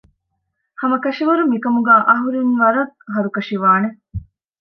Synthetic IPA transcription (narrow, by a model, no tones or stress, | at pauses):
hɐmɐkɐʃiʋɐɾumikɐmuɡæːʔɐɦuɾinʋɐɾɐt̪ɦɐɾukɐʃiʋaːne